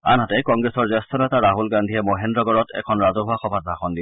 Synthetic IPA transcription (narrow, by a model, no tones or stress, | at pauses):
a̰nɦatɛkɔŋɡɹesɔɹzɔstʰɔnɛtaɹaɦulɡandʱiɛmoɦendɹɔɡɔɹɔtɛ̰kʰɔnɹazɔɦuaxɔbʱat̚bʱaxɔndi